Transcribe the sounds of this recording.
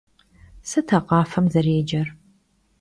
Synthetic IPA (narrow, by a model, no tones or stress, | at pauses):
sɐtʰɐqɑːfɐmzɐrjed͡ʒɐr